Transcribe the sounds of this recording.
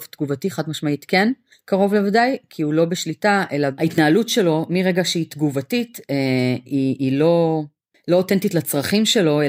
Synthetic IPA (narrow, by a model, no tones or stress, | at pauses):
ft̪ɡuvatiχadmaʃmaitken | kaʁo̞vlevadajkʰiulo̞beʃlitaʔe̞laaitnaːlutʃe̞lo̞miʁeɡaʃeitɡuvatiteiːlo̞ | lo̞otentitlat͡sʁaχimʃe̞lo̞e